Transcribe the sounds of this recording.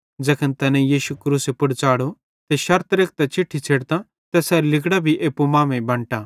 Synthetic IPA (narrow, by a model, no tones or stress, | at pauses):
d͡ʒɐkʰənt̪ɐnɛ̃jiːʃukɾuːsepʊɽt͡ʃaːɽo | t̪eʃɐɾt̪ɾek̚t̪ɛt͡ʃɪʈʰːit͡ʃʰeːɽt̪ã | t̪ɛsɛːlɪkɽabʱiʔeːpumaːmẽbɐ̃ɳʈaː